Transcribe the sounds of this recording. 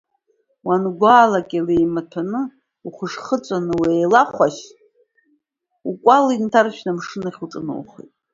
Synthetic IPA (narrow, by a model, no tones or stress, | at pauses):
wanɡʷaːlakʲʼalejmatʰanɨ | uχʷəʂχət͡sʷʼanɨwejlaχʷaʃ | ukʷʼalintʰarʃᶣnamʂɨnaχʲut͡sʼɨno̰wχḛjtʼ